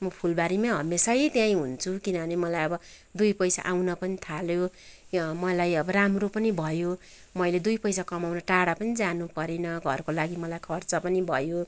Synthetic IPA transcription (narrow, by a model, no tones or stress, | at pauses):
mʌpʰulbaɾimaɦʌ̰mesʌjt̪jãĩɦunt͡sʰukinʌbʱʌnemʌlajʌbʌ | d̪ujpʌjsa̰ʔawnʌpʌnit̪ʰaljo | mʌlajʌbʌramropʌnibʱʌjo | mʌjled̪ujpʌjsakʌmawnʌʈaɽapʌnid͡zanupʌɾenʌɡʱʌ̰rkolaɡimʌlajkʰʌrt͡sʌpʌnibʱʌjo